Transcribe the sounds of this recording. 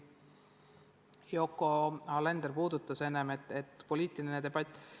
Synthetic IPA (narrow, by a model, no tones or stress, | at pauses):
jo̞kːˑo̞ɑlend̪erpuːd̪ut̪ːˑɑse̞nemet̪ːet̪ːpo̞liːt̪ːˑilnined̪e̞b̥ɑt̪ʲː